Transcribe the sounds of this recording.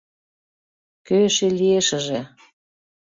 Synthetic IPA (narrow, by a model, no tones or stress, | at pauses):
køʃelʲieʃə̆ʒe